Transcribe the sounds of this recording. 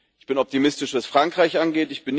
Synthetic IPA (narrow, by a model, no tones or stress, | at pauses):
ɪçb̥ɪnɔp̚timɪstɪʃv̥asfʁ̥aŋkʁ̥aɪçʔanɡeːtɪçb̥ɪn